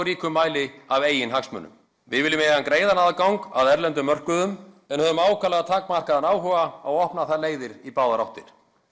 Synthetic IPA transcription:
ɾiːkʏmːaːjlɪaveːjɪnɦaksmœ̰nːʏ̰m | vɪ̰vɪlːʏmɛɣankɾeːjðanaðakawŋka̰ðɛɾlɛnt̪ʏmːœr̥kʏðʏm | ɛnhœðʏmaːwkʰalɛɣat̪ʰaːkmar̥kaðanaːwɦɔɣaawɔhpnaθaleːjðɪɾipaːwðaɾawht̪ɪɾ̥

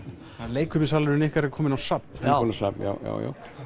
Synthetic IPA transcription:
aleːjkʰʏmɪsaːlɾɪnɛhkaɾɛɾkʰɔːmɪnawsapɔnasa̰pja̰wja̰ːwja̰w

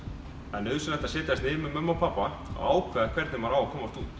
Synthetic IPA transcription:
ɛnʏðsʏnɛht̪asɪːt̪ɪast̪nɪːmʏmœmːawpʰapːa | a̰ːwkʰvɛːðakʰvɛɾt̪nɪmvaɾaːwakʰɔːmast̪uːt̪

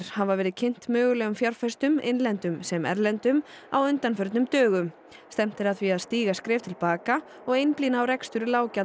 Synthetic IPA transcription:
ɾ̥havavɛːɾɪðcʰen̥t̪mœːɣʏlɛːɣʏmfjaɾ̥fɛst̪ʏmḛjnlɛnt̪ʏmsɛmɛ̰ɾlɛnt̪ʏm | a̰wʏnt̪anfœɾt̪nʏmt̪œːɣʏm | st̪ɛm̥t̪ɪɾaðθviaðst̪iːɣaskɾɛːft̪ʰɪlpaːka | ɔɣejnpliːnaːwɾɛkst̪ʏɾʏlaːwca

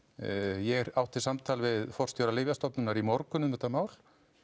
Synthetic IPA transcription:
jɛɾawht̪ʰːɪlsamt̪ʰaːlvɪðfɔrst̪jɔɾalɪːvjast̪ɔpnʏnaɾimɔɾkʏnʏmɛht̪amaːwl

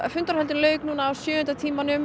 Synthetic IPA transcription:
fʏnt̪aɾhɛlt̪ɪnlœːɥknuːnaːwsjʏːʏnt̪at̪ʰiːmanʏm

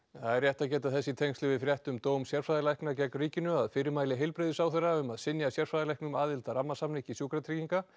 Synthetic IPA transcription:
θaðɛrjɛht̪aðcɛːt̪aθɛsːɪt̪ʰejŋslɪvɪðfɾjɛht̪ʏmt̪oːwmsjɛr̥fɾajðɪlajknacɛjkɾiːcɪnʏaðfɪːɾɪmaːjlɪɦejlpɾeðɪsaːwθɛrːaʏmaðsɪnjasjɛr̥fɾajðɪlajknʏmaːðɪlt̪aɾamːasamnɪcisjuwkɾat̪ʰɾiciŋka

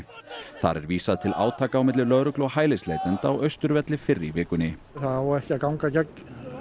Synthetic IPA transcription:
θa̰ɾɛ̰ɾviːsaðt̪ʰɪlʔa̰ːwt̪ʰaːkaːwmɪt̪lɪlœðɾʏklɔhaːjleslejt̪ʏnt̪aːwʔœɥst̪ʏɾvɛt̪lɪfɪrːɪivɪːkʏnːɪ | θaðaɔɛhcakawŋkacɛk

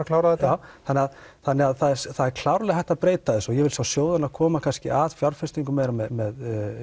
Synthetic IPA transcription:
kʰlawɾaðɛtt̪ːaːwθanːɪɣaðθanːɪaðθaðɛθaðɛɾkʰl̥awɾlɛɣaθɛht̪ːapɾeːjt̪aðɪsɔjɛvɪlsawsjoːwðanaðkʰɔːmakʰanscɪ̰ʔaðfjawɾ̥fɪst̪iŋkʏmeːjɾamɛðmɛð

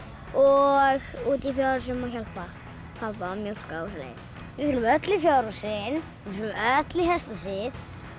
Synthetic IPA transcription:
ɔɣuːt̪ifjaːɾɔsʏmːawçalpa | θaðpamjowl̥kauslḛːs | vɪfɪnmœt̪lɪfjaːɾɔsɪn | ɪfʏɾnʏmœt̪lɪhɛst̪ɔsɪð

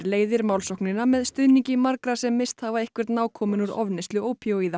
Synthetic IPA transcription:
leːjðɪɾmawlsɔwknɪnːamɛðst̪ʏðniɲcɪmaɾkɾasɛmːɪst̪havaehkvɪɾ̥t̪naːwkʰɔːmɪnʏɾɔvnɪst̪lʏowpʰjowiːða

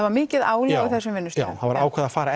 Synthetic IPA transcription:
vaɾmɪːcɪðaːwlɛɣaiθɛsːʏmvɪnːʏsa̰ːwaðvaɾaːwkʰɛːðafaːɾa

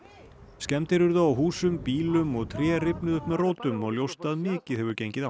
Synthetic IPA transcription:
scɛmt̪ɪɾʏɾðaawɦuːsʏmpiːlʏmɔɣt̪ʰɾjɛːrɪpnʏðʏhpmɛðroːwt̪ʏmɔɣljowst̪aðmɪːcɪðhɛvʏɾcejɲcɪða

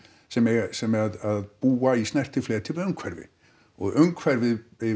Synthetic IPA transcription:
sɛmɛsɛmɛɾaðaðbuːaisnɛr̥t̪ɪfleːɾt̪ʰipaðʏŋkʰvɛɾvɪ̰ | ɔɣʔœŋkʰvɛɾvɪvɪ

